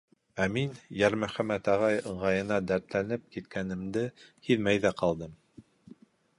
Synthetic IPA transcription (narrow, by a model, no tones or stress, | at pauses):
æminjæɾmæχæmæt̪æʁɑjɤ̆ɴʁɑjɤ̆nɑd̪æɾt̪lænɘp̚kit̪̚kʰænɘ̆md̪ɘhiðmæjðæqɑlˠd̪ɤm